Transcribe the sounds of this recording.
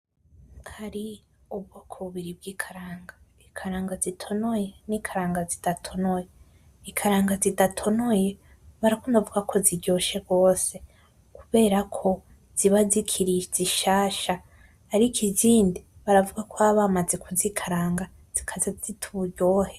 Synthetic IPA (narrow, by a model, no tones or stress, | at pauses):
haɾi | ubɡokʰoβuβiɾib̚ɡiːkʰaɾaːŋɡa | ikʰaɾaːŋɡazitʰo̞noje̞nikʰaɾaːŋɡazidatʰo̞noje | ikʰaɾaːŋɡazidatʰo̞noje̞ | βaɾakondavuɡakʰo̞ziɾɟo̞ʃe̞ɡo̞ːse̞ | kuβe̞ːɾakʰo̞ | z̥iβazikʰiɾiziʃaːʃa | haɾikʰiziːndiβaɾavuɡakoaβamaze̞kuzikʰaɾaːŋɡa | z̥ikʰazazitʰuɟoːhe